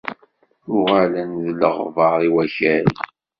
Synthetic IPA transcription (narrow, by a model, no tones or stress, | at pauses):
ʊʁalænðləʁvəɾˤiwæçæɾ